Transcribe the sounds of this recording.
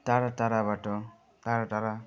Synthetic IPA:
taɾataɾabaʈɔ | taɾataɾa

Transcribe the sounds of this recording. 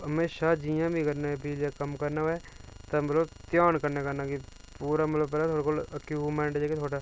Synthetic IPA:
ɦɐmeːʃad͡ʒijãbʱikɐɾnaɦɛbʱiːljakɐmkɐɾnaɛt̪ɐmɐt̪ləbt̪jaːnkɐɾnakɐɾnakipuːɾamɐt̪ləbpɛlat̪ʰoːɽakolɐkjuːbmẽːɳʈd͡ʒaːket̪ʰoːʈa

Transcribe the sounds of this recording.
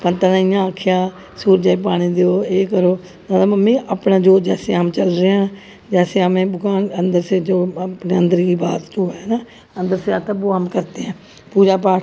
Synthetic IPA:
pənt̪ənaːɪjãːəkʰːɪjaː | suːɾd͡ʒaːip̬aːɽ̃iːd̪eoːeːkəɾoː | nad̪aməmːẽːʔəpnãːd͡ʒoːd͡ʒɛːseːamt͡ʃəlɾeːãː | d͡ʒɛːseəmẽːbʊkaːnənd̪əɾseːd͡ʒoːpneːə̃nd̪əɾkiːbaːt̪d͡ʒoːɦɛːnaː | ənd̪əɾseːaːt̪əbuːəmkəɾt̪eːɛ̃ː | puːd͡ʒaːp̬aː

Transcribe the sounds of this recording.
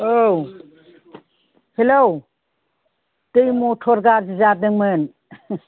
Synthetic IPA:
ow | helow | tɯjmotʰɔɾɡaɾd͡ʒizadɯŋmɯn

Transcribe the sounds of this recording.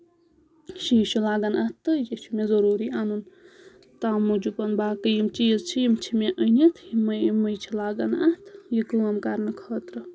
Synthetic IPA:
ʃiːʃulaːɡɐnɐt̪ːɨjiʃʰumezɐɾuːɾianun | t̪aːmud͡ʒupɐnbaːkəjimt͡ʃiːzt͡ʃʰijimt͡ʃʰimeʔənit̪ʰiməməjt͡ʃʰilaːɡɐnɐt̪ʰjikɨwɐmkaɾnɨkʰɐːt̪ɾɨ

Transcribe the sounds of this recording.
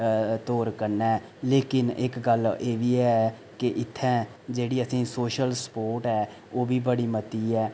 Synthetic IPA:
t̪oːɾkəɾnɛː | leːkɪnɪ̰kɡəleːʋiːɛː | keʔɪt̪ʰːɛ̃ː | d͡ʒeːɽiːəsĩːsoːʃəlsə̥poːɾʈɛː | oːbiːbəɽiːmət̪iːɛː

